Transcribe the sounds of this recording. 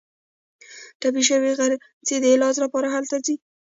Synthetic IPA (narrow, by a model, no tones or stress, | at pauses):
ʈap̬iʃəwiɣaɾ | t͡sed̪əelɑzlapɑɾaɦalt̪azi